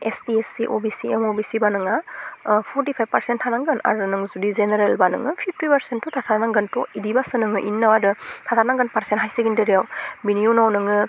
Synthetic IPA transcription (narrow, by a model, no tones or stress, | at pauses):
estiesiʔobisiemobisibanɯŋapʰɔɾtipʰajb̚pɐɾsentʰanaŋɡɯna̰ɾunɯŋzudizeneɾelbanɯ̰ŋɯpʰip̚ʰtipɐɾsentutʰatʰaɾnaŋɡɐntɔidibasɯnɯŋɯʔinːawadɯtʰatʰaɾnaŋɡɐnpaɾsentɦajseɡindɯɾijawbinijunawnɯŋɯ